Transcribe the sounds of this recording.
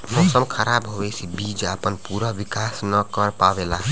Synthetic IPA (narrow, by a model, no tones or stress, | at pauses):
mɔsəmkʰəɾabɦobɛsʰibid͡ʒəpənpuɾəʋikasnəkəɾpabelaɦ